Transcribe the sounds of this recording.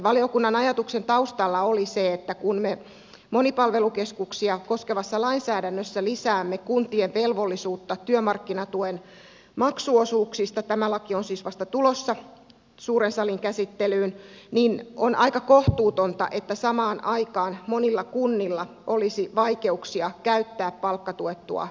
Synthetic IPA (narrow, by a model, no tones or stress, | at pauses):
ʋɑlijokunːɑnɑjɑt̪uksent̪ɑust̪ɑlːɑoliseet̪ːækunme | monipɑlʋelukeskuksiɑkoskeʋɑsːɑlɑinsæːdænːøsːælisæːmːekunt̪ieʋʋelʋolːisuːt̪ːɑt̪yømɑrkːinɑt̪uen | mɑksuosuːksist̪ɑt̪æmælɑkionsiːsʋɑst̪ɑt̪ulosːɑ | suːɾensɑliŋkæsit̪ːelyːnninonʔɑikɑkoht̪uːt̪ont̪ɑ̰ʔet̪ːæsɑmɑːnʔɑikɑːnmonilːɑkunːilːɑ | ʔolisiʋɑike̞uksiɑkæyt̪ːæːppɑlkːɑt̪uet̪ːṵɑ̰